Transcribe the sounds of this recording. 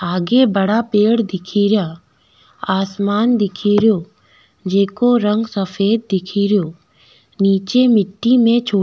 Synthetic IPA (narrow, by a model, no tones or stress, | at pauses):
aːɡebɐɽapeːɽd̪ɪkʰiːɾɪjaː | aːsmaːnd̪ɪkʰiɾɪjo | d͡ʒeːkoɾə̃ŋɡsɐfʰeːd̪̚ːɪkʰiːɾɪjoː | niːt͡ʃemɪʈːimẽt͡ʃʰoː